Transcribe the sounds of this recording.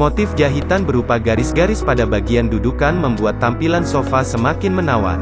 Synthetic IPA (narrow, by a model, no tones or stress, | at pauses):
mot̪ɪfd͡ʒaɦit̪anbəɾupaɡaɾɪsɡaɾɪspadabaɡiandudukanməmbuat̪ːampilansofasəmakɪnmənawa̰n